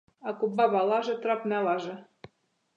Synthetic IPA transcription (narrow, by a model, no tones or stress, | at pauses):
ɑkubːɑβɑlˠɑʒɤ̆t̪ɾɑpnʲɑlɑʒɤ̆